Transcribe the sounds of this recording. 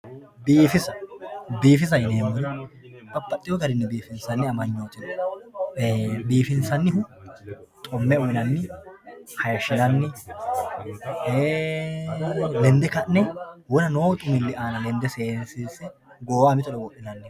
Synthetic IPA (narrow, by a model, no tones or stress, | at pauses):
biːfɪsɐbiːfɪs̬ɐjɪneːmɔɾɪbɐpʼːɐt̪ʼːɪjod̪ɐɾɪnːɛbiːfɪnsɐnːɪɐmɐɲːo̞ːt̪ɪn | biːfɪnsɐnːɪhʊ | t̪ʼɔmːɛʊɪnɐnːɪ | hɐjʃɪnɐnːɪ | e | lɛnd̪ɛkɐnnɛwɔɾɐnoːt̪ʼʊmɪlːɪaːnɐlɛnd̪ɛseːnsiːsɛ | ɡoːwaːmɪt̪ɔlɛwɔʔɪnɐnːɪ